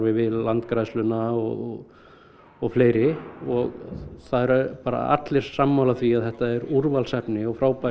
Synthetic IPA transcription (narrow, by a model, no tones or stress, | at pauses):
ɾvɪvɪðlant̪kɾajslʏnaɔɣ | ɔɣfleːjɾɪɔɣθaðɛɾpaːɾa̰a̰t̪lɪɾ̥samːawlaθviaðθɛht̪aɛɾuɾvalsɛpnɪɔɣfɾaːwpa